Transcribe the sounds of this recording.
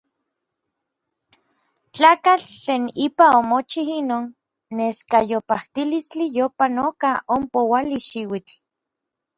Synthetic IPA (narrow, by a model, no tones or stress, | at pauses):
t͡ɬaːkat͡ɬt͡ɬeːnipaomot͡ʃihinoːnː | eskajopaht̪ilist͡ɬijopanokaompowaliʃiwit͡ɬ